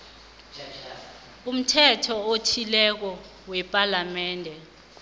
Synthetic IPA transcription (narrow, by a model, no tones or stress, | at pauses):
um̩tʰɛtʰɔotʰilɛk̬ɔ | wɛpʼalamɛːndʱɛ